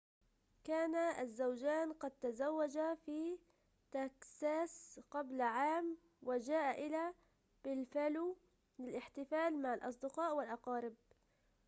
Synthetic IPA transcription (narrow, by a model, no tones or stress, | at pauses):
kaːnaazːawd͡ʒaːnqɑd̪̚t̪azawːad͡ʒafiː | t̪aksaːsqablaʕaːm | wɪd͡ʒaːʔaʔɪla | b̥ɪlfalu | lɪlʔɪħt̪ɪfaːlmaʕalʔɑs̬ˤd̪ɪqɑːʔwɪlʔɑqɑːɾɪb̚